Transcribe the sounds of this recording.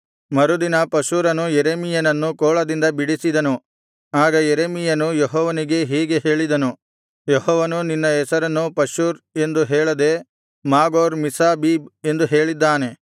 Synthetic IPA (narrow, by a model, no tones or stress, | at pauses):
mɐɾud̪inɐpɐʃuːɾɐnujeɾeːmijɐnɐnːukoːɭɐd̪ind̪ɐbiɽisid̪ɐnu | aːɡɐjeɾeːmijɐnujɔɦɔːʋɐniɡe̞ɦiːɡe̞ɦe̞ːɭid̪ɐnu | jɔhɔːʋɐnuninːɐɛsɐɾɐnːupɐʃuːɾe̞nd̪uɦeːɭɐd̪e̞ | maːɡoːɾmisaːbibe̞nd̪uɦe̞ːɭid̪ːaːne̞